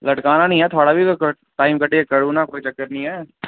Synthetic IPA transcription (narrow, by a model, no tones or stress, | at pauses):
lɐʈkaːnanɐɦĩɦɛt̪ʰoːɽabʱik | ʈaːɪmkɐʈeekɐɽunakoːit͡ʃɐkːəɾnɐĩɦɛː